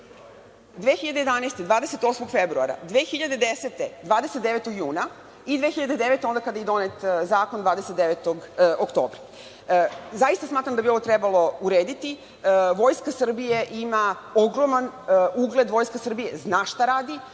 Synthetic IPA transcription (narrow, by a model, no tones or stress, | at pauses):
d̪ʋexiʎad̪eje̞d̪aneːst̪ed̪ʋaːd̪eset̪o̞ːsmoɡfebɾua̰ɾa̰d̪ʋeːxiʎad̪ed̪eset̪ed̪ʋaːd̪eset̪d̪e̞ʋet̪oɡjuːna | id̪ʋexiʎad̪e̞d̪eʋe̞t̪eond̪akad̪ajid̪o̞net̪zaːkond̪ʋaːd̪eset̪d̪eʋet̪oɡokt̪oːbɾa | zaist̪asmaːt̪ɾamd̪abio̞ʋot̪ɾebalˠo̞uɾeːd̪it̪i | ʋo̞ːjskasr̩bijeʔimao̞ɡɾo̞manuɡle̞d̪ʋo̞jskasr̩bijeznaːʃt̪aɾaːd̪i